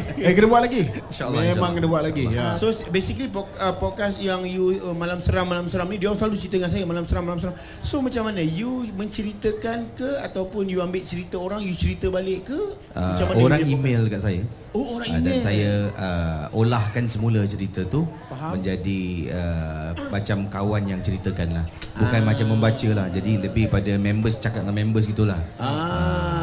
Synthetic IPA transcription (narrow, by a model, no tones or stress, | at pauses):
kənəbuaʔlaɡiinʃaəlːemãŋkənəbuatʔlaɡijasosbesikəlipɔəpɔd̚kasjaŋjuəmalamsəɾamːalamsəɾamnĩduaŋsəlalut͡ʃəɾit̪əŋansajəmalamsəɾamːalamsəɾam | somat͡ʃamːanəjumə̃ɲt͡ʃəɾit̪əkankəat̪awpʊnjuambɪʔt͡ʃəɾit̪əoɾaŋjut͡ʃəɾit̪əbalɪʔkːə | ʔəmaamoɾaŋimelkaʔsaja | ooɾaŋdansajaəolahkansəmulət͡ʃəɾit̪ət̪u | paɦməɲd͡ʒadiəmat͡ʃamkawanjaŋt͡ʃəɾit̪əkanlahbukanmat͡ʃamːəmbat͡ʃəlahd͡ʒadiləbɪhpadamɛ̃mbəst͡ʃakat̪̚lamɛ̃mbəs̬ɡit̪ulaha